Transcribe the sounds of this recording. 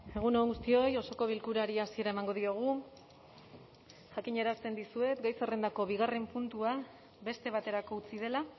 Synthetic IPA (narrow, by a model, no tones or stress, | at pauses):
e̞ɣ̞unoŋɡust̪io̞jo̞so̞ko̞β̞ilkuɾaɾiasie̞ɾaemaŋɡo̞ð̞ioɣ̞u | ʝakiɲe̞ɾast̪e̞nd̪isue̞t̪ɡajsere̞nd̪ako̞βiɣare̞mpunt̪ua | be̞st̪e̞β̞at̪e̞ɾako̞ut͡sið̞e̞la